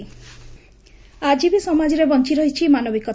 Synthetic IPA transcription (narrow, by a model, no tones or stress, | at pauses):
ad͡ʒibisɔmad͡ʒiɾebɔnt͡ʃiɾɔɦit͡ʃʰimanɔbikɔ